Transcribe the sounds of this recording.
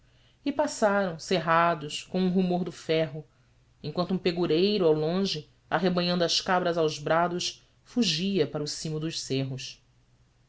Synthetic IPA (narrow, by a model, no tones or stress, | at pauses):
ɪpasaɾɐ̃w̃seɦad̪ʊʃkõũɦumoɾd̪ʊfɛɦʊ | ẽŋkwɐ̃nt̪ũpeɡuɾejɾʊawlõʒɪ | a̰ɦebɐ̃ɲɐ̃nd̪ʊɐʃkabɾɐzawzbɾad̪ʊʃ | fuʒiɐpaɾʊsĩmʊd̪ʊʃseɦʊʃ